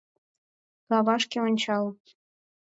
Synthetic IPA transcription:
kɑβɑʃkeonʲt͡ɕɑlɤ

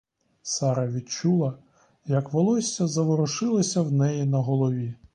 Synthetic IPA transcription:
sɑɾɐʋʲid̪t͡ʃulˠɐ | jɐkʋɔlˠɔsʲɐzɐʋɔɾɔʃɪlˠɐsʲɐwnɛjinɐɦɔlˠɔʋʲi

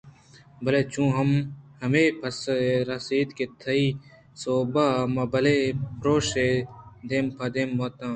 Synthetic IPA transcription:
bɐleːt͡ʃũːɦɐmhɐmeːpʰɐsɾɐsiːt̪ket̪ʰɐiː | soːbaːmɐbɐlepɾoːʃed̪eːmpʰɐd̪eːmboːt̪ãː

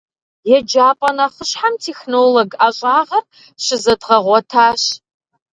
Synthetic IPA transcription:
jɛd͡ʒaːpʼɐnaχəɕħamtʰeːxnoːloɡaɕʼaːʁɐr | ʃɪzɐdʁɐʁʷɔtʰaːɕ

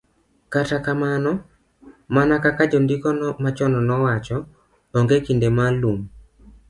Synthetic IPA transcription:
katakamanɔ | manakakad͡ʒondikɔnmat͡ʃɔnɔnɔwat͡ʃɔ | oŋɡekindemalum

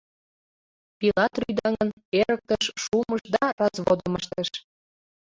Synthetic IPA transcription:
pilɑt̪ryd̪ɑŋən | eɾək̚t̪əʃʃuməʃd̪ɑrɑzβod̪əməʃt̪əʃ

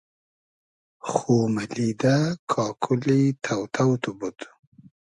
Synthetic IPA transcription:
xoːmalid̪akʰɑːkʰulit̪ʰawt̪ʰawt̪ubut̪

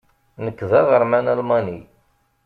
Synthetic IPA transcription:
nəkːðæʁəɾmænælmɑni

